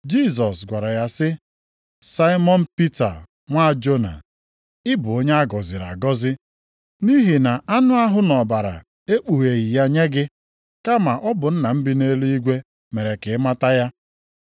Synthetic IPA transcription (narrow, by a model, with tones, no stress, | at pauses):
d͡ʒi˦˨s̬ɔ˨sɡʷa˨ɾa˨ja˦sɪ˦ | sa˦ɪ˦mɔ˦n̩˦pi˦ta̰˨ | ŋʷa˦˨d͡ʒo˦na̰˨ | ɪ˦bʊ˨o˦ɲe˦a˦ɡɔ˨zɪ˨ɾa̰˨ɡɔ˦zɪ˦ | ni˦ɦi˨na˨a˦nʊ˦a˦ɦʊ˦nɔ˨ba˨ɾa̰˨ | e˦k͡pu˨ɣe˨ɣi˨ja˦ɲe˦ɡɪ˦ | ka˦ma˨ʔɔ˦bʊ˨n̩˦na˨m̩˦bi˦ne˦lu˦i˦ɡʷe˦ | me˨ɾe˨kɪ˨˦ma˦ta˦ja˦